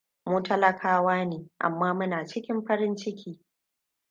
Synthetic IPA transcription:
muː˦tɐ˦lɐ˦kʰaː˦waː˦neː˨ʔa̰˨mːaː˦mʊ˦naː˨t͡ʃɪ˦kʲɪ˦mɸɐ˦ɾɪ˦nt͡ʃɪ˦kʲʰiː˦

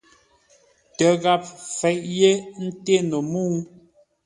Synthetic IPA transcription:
tə˨˦ɣa˦p̚fɛ˨˦ʔje˦n̩˦te˦no˨mu˦˨

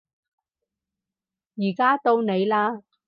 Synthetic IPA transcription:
jiː˨˩kaː˥t̪o˧wne˨˧jlaː˧

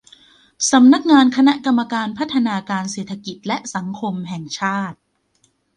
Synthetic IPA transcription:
sa˩˦mna˦˥k̚ŋaː˧nkʰa˧na˦˥ʔka˧mːa˧kaː˧npʰa˦˥t̪ʰːa˧naː˧kaː˧nseː˨˩t̪ʰːa˧ki˨˩t̪̚lɛ˦˥ʔsa˩˦ŋkʰo˧mɦɛ˨˩ŋt͡ɕʰaː˥˩t̪̚

